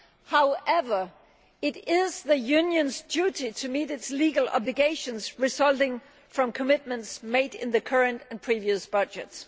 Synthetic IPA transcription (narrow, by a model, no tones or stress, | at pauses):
haʊɛvə˞ | ɪɾɪz̥ðəjʉnjɨ̃nzdʉɾitʰɨmiːɾɨtsliːɡəl̩ˠɑ̰blɨɡeɪʃə̃nzɹɨsʌlˠtɪ̃ŋ | fɹʌ̃mkʰəmɪt̚mə̃ntsmeɪɾɪ̰̃nðɨkʰɜ˞ɨ̃ntɨ̃npʰɹ̥iviɨsb̥ʌd͡ʒɨts